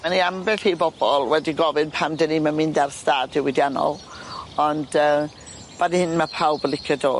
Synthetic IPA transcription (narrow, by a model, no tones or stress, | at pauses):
maniambɛɬibɔb̥ɔlˠwɛdiɡɔvɨnpʰamdɛnimanmɪndarstadɪwɪdjanɔ̰lˠ | ɔndəː | b̥anhɪnmapʰawbəlˠɪkʰədo̰ː